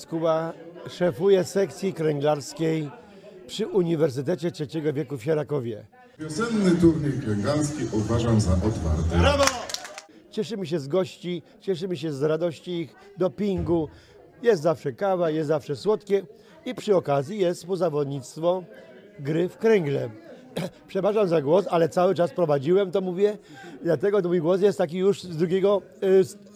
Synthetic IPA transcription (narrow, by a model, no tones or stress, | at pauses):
skuwaʂɛfujɛsɛkt̪sʲjikɾɛŋɡlaɾskʲej | pʂɘʔuɲivɛɾs̬ɘt̪ɛt͡ɕɛtʂɛt͡ɕɛɡɔvʲjɛkufɕaɾakɔvʲjɛ | vʲjɔsɛnːɘt̪uɾɲɛjkɾɛŋɡlaɾs̬kʲiʔuvaʐamzaʔɔt̪fa̰ɾt̪ɛɾav | t͡ɕɛʂɘmɘɕ̬ɛzɡɔɕt͡ɕi | t͡ɕɛʂ̬ɘmɘɕ̬ɛzɾad̪ɔɕt͡ɕiix | d̪ɔpʲiŋɡu | jɛst̪zafʂɛkavajɛst̪zafʂɛswɔt̪kʲɛ | ipʂɨɔkazʲjijɛst̪pɔzavɔd̪ɲit̪st̪fɔ | ɡɾɘfkɾɛŋɡlɛ̰ | pʂɛbaʐamzaɡwɔsalɛt̪sawɘt͡ʂaspɾɔvad͡ʑiwɛmt̪ɔmuvʲjɛ | d̪lat̪ɛɡɔmujɡwɔs̬jɛst̪ːak̬ʲijuʂzd̪ɾuɡʲɛɡɔ